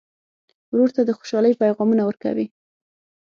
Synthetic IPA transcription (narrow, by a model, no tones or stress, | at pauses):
wɾoɾt̪ad̪əxo̥ʃɑləjpajɣɑmunawəɾka̰wi